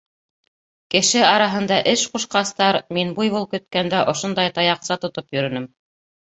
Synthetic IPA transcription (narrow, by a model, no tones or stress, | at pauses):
kɘ̆ʃɘɑɾɑɦɤ̆nd̪ɑʔɘʃquʃqɑst̪ɑɾminbujβulˠkɵ̆t̪̚kænd̪æʔŏʃond̪ɑjt̪ɑjɑqsɑt̪ŏt̪opjɵ̆ɾɵ̆nɘm